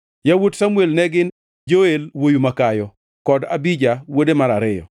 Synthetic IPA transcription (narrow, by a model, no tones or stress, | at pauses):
jawotsamuelnɛɡɪn | d͡ʒoelwojumakajɔ | kɔdabid͡ʒawodemaɾaɾɪjɔ̰